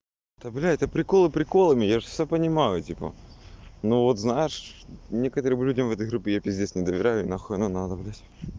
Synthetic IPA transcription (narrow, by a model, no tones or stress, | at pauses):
t̪ɐblʲæt̪əpɾʲɪkolˠɨpɾʲɪkolˠəmʲɪjaʐɨsʲsʲapənʲɪmajʊtʲipə̰ | novot̪znajɪʂnʲe̞kət̪əɾɨmlʲudʲəmvɛt̪əjɣɾupʲːɪjapʲɪzʲdʲesʲnʲɪd̪əvʲɪɾʲæjʊinɐxonɐnat̪ɐblʲætʲ